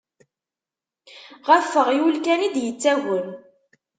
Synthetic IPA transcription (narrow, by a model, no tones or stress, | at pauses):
ʁæfːəʁiwulkænid̪jət͡sːæɣən